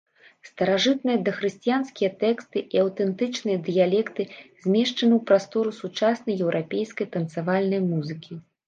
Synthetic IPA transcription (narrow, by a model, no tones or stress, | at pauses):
st̪ɐɾaʐɨt̪̚nɨjɐd̪ɐxɾɨsʲt͡sijansʲkʲijɐt̪ɛkst̪ɨʔiɐwt̪ɛnt̪ɨt͡ʂnɨjɐd̪ɨjalʲɛkt̪ɨzʲmʲɛʂt͡ʂɐnɨwpɾast̪ɔɾusut͡ʂasnɐjɛwɾʔapʲejskɐjt̪ɐnt̪savalʲnɐjmuzɨkʲi